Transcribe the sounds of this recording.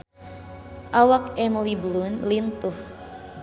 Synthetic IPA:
ʔawak̚ɛməlibəlunlint̪ʊh

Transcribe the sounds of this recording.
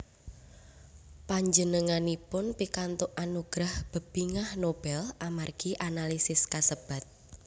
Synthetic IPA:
paɲd͡ʒənəŋanipʊnpikant̪ʊʔʔanuɡ̥ɾahb̥ə̤b̥iŋahnob̥ɛlʔamarɡ̥iʔanalisɪskasəb̥a̤t̪̚

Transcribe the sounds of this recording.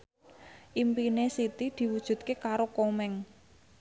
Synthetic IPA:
ʔimpinesit̪id̪̥i̤wud̥ʒ̥ṳt̪̚kekaɾokomɛŋ

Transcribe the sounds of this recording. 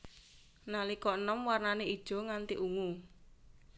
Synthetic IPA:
nalikɔnɔmwarnanei̥ʒ̥ɔ̤ŋant̪iʔuŋu

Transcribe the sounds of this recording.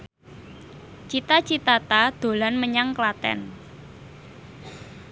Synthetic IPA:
t͡ʃit̪at͡ʃit̪at̪ad̪̥o̤lanməɲaŋklat̪ɛ̰n

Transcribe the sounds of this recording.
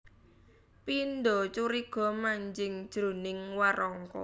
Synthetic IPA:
pind̪ɔt͡ʃuɾiɡ̥ɔ̤maɲd͡ʒɪŋd̥ʒ̥ɾonɪŋwaɾɔŋkɔ̰

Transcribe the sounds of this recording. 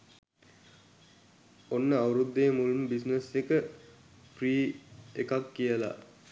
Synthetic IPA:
onːəaʋɾud̪ːeːmulumbisnesekə | priːekakːijəla̰

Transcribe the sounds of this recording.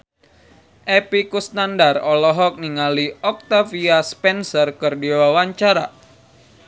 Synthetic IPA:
ʔɛpikusnandarɔlɔɦɔk̚niŋaliɔk̚t̪afiaspɛnsɔrkɨrdiwawaɲt͡ʃaɾa

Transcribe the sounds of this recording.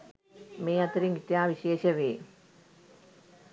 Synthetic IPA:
meːɐt̪ɾiŋɡit̪jaːʋiɕeːɕɐʋeː

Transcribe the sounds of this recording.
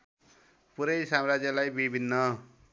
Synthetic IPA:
puɾʌjsamrad͡zjʌlajbibʱinːʌ

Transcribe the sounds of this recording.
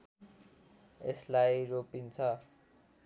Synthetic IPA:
ḛslajropint͡sʰʌ

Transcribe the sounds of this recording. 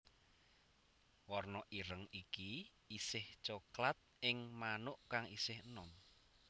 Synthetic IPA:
wɔrnɔʔiɾəŋiki | isɪht͡ʃoklat̪̚ʔɪŋmanʊʔkaŋisɪhənɔm

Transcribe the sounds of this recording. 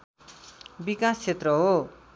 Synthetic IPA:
bikast͡sʰet̪rʌɦo

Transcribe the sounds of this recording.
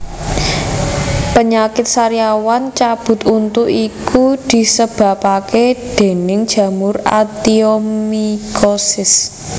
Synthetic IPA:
pəɲakɪt̪̚saɾijawant͡ʃab̥ʊ̤t̪unt̪uʔikud̪̥i̤səb̥ä̤paked̪̥e̤nɪŋd̥ʒ̥ä̤mʊra̰t̪iomikosɪs

